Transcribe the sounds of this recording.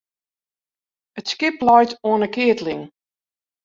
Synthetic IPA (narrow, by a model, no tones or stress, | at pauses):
ətskɪplɔjtoənəkɪətlɪŋ